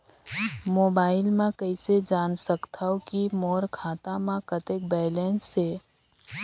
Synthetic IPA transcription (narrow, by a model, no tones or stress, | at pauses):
moːbaːɪlmãkəised͡ʒaːnsəkt̪ʰaːokimoːɾkʰaːt̪amãkət̪ek̚bɛːleːnsːe